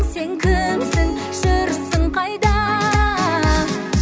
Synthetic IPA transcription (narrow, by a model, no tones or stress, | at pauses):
seŋkʲʰɪmsɪŋ | ʒəɾəsəɴqʰɑjd̪ɑ